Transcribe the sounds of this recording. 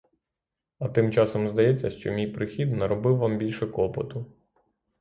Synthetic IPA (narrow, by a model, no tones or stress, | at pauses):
ɐt̪ɪmt͡ʃɑsɔmzd̪ɐjɛt͡sʲːɐʃt͡ʃɔmʲijpɾɪxʲid̪nɐɾɔbɪwʋambʲilʲʃɛkɔpɔt̪ʊ